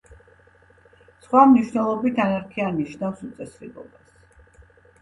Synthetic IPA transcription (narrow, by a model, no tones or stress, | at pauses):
sχwamniʃwnɛlˠɔbit̪ʰanaɾkʰianiʃnafsut̪sʼɛsɾḭlɔ̰bas